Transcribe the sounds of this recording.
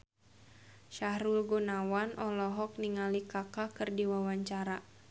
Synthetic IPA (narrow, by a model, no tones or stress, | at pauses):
ʃahɾulɡunawanʔɔlɔɦɔk̚niŋalikakakɨrdiwawaɲt͡ʃaɾa